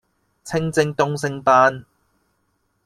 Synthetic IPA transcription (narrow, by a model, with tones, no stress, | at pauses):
t͡sʰɪ˧˥ŋt͡sɪ˧ŋt̪ʊ˧ŋsɪ˧ŋpaː˧˥n